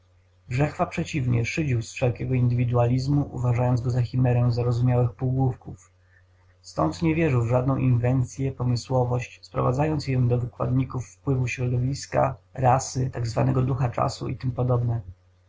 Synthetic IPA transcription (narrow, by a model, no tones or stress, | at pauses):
ɡʐɛxfapʂɛt͡ɕivɲɛ̰ʂɘd͡ʑiwsfʂɛlkʲɛɡɔind̪ɘvʲid̪ualʲizmuʔṵvaʐajɔnd̪zɡɔzaxʲimɛɾɛ̃zaɾɔzumʲjawɘxpuwɡwufkuf | st̪ɔ̰nt̪ɲɛvʲjɛʐɘwvʐad̪̚nɔ̃w̃ʔinvɛnt̪sʲjɛpɔmɘswɔvɔɕt͡ɕspɾɔ̰vad̪zajɔnt̪sjɛd̪ɔvɘkwa̰d̪ɲikufːpwɘvuɕɾɔd̪ɔvʲiska̰ɾasɘt̪aɡzva̰nɛɡɔd̪uxat͡ʂa̰sṵḭt̪ɘmpɔd̪ɔbnɛ